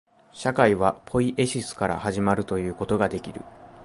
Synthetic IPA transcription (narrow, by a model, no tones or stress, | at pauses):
ɕakaiβapʰo̞iʔe̞ɕisɨ̥kaɾa̰haʑimaɾɯ̟t̪o̞jɯ̟ːko̞t̪o̞ɡad̪e̞kʲiɾɯ̟̰